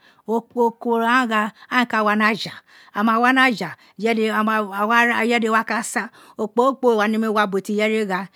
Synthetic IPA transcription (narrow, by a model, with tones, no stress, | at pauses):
o˨o˨ko˨ɾa˦ɣa˧a˦ĩ˦ka˦˨wa˦na˦d͡ʒa˨ | a˨ma˨wa˦na˦d͡ʒa˨ | jɛ˦de˦˨wa˦˨jɛ˦de˦˨wa˦ka˦sa˦ | o˨k͡po˦k͡po˦˨wa˨ni˦me˦˨wa˦bo˨ti˨jɛ˦ɾe˦ɣa˧